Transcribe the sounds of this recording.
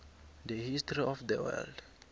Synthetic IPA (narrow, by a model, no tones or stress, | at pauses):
dəhistɹiɔfdəwɛ̰ld